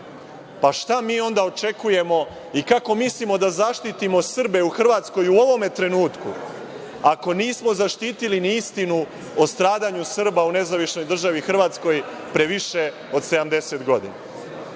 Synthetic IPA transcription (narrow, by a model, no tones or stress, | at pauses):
paʃt̪amiːo̞nd̪ao̞t͡ʃe̞kuje̞mo̞ | ikako̞mislimo̞d̪azaʃt̪it̪imo̞sr̩be̞uxr̩ʋaːt̪sko̞juo̞ʋo̞me̞t̪ɾe̞nuːt̪kṵ | ako̞niːsmo̞zaʃt̪iːt̪iliniist̪inu | ost̪ɾaːd̪aɲusr̩baune̞zaʋiʃno̞jd̪r̩ʒaʋixr̩ʋaːt̪sko̞j | pɾe̞ʋiʃe̞ | o̞d̪se̞d̪amd̪e̞se̞t̪ɡo̞d̪ḭna̰